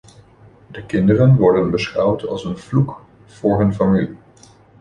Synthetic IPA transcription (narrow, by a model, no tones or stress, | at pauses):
dəkɪndərənʋɔɹdənbəsχʌwtʰɑ̰lˠsənv̥luk | v̥ʊːɹɦɵnfamili